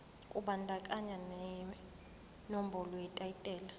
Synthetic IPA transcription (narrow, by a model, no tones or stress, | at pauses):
kʼuɓandʱakʼaɲanɛ | nom̩bʱɔlɔjɛtʼajitʼɛːla